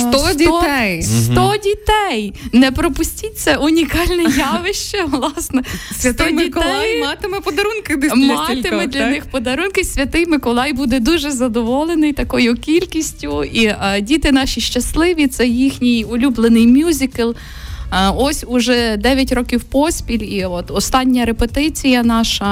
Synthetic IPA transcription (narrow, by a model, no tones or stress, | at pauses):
t̪ɔdʲiɔɛjst̪ɔdʲit̪ɛjnɛpɾɔpʊsʲtʲit̚ʲsɛʊnʲikɑlʲnɛjɑʋɪʃt͡ʃɛʋlˠɑsnɛssʲt̪ɔdmʲɪikɔɛjmɑt̪ɪmɛpɔd̪ɐɾunkɪd̪ɪmɑtlɪmɛd̪lʲɐnɪxpɔd̪ɐɾunkɪsʲʋʲɐt̪ɪjmɪkɔlˠɑjbud̪ɛd̪uʒɛzɐd̪ɔʋɔlˠenɪjt̪ɐkɔjʊkʲilʲkʲisʲtʲʊidʲit̪ɪnɑʃʲiʃt͡ʃɐslˠɪʋʲit̪sɛjixnʲijʊlʲublˠenɪjmʲjuzʲɪkɐlˠ | ɔsʲʊʒɛd̪ɛʋʲjɐtʲɾɔkʲiwpɔsʲpʲilʲiɔt̪ɔst̪ɑnʲːɐɾepet̪ɪt͡sʲijɐnɑʃɐ